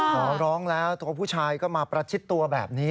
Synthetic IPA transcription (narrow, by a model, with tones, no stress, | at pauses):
kʰɔː˨˩˦ɾɔː˦˥ŋlɛː˦˥wt̪u˧ɐpʰuː˥˩t͡ɕʰaː˧jkɔː˥˩maː˧pɾa˧t͡ɕʰi˦˥t̪ːu˧ɐbɛː˨˩p̚niː˦˥